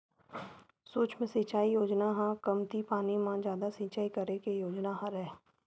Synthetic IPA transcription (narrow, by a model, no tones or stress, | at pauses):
soːt͡ʃmẽsiːt͡ʃaːijoːd͡ʒnaɦãkəmt̪ipaːnimãd͡ʒjaːd̪asĩːt͡ʃaːikəɾekejoːd͡ʒnaɦãɾɛː